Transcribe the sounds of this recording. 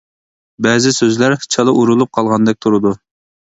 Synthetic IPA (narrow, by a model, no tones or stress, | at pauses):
bɛzɪsøzlæɾt͡ʃʰɑlˠɨʔuɾulˠup̚qʰɑlˠʁɑnd̪ɛk̚ʲt̪ʰuɾɨd̪u